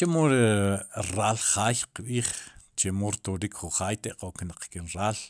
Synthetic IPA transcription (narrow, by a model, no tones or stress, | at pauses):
t͡ʃemoɾeɾaːlχaːjqɓiːχt͡ʃemoɾt̪oɾiːkχuχaːjt̪eʔqoknaq͡χkenɾaːl